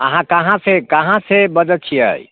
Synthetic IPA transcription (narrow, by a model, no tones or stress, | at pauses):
əɦãkəɦãsekəɦãsebəd͡ʒət͡ʃʰijə̰j